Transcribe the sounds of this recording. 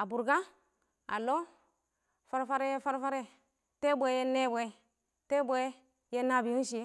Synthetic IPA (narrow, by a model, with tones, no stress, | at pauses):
a˨bu˨ɾɡa˦ | a̰˨lo˦ | fa˦ɾfa˦ɾe˦jfa˦ɾfa˦ɾe˦ | te˦bʷe˦je˦ne˦bʷe˨ | te˦bʷe˦ | je˦na˦bi˨ji˦n˦ʃi˨e˦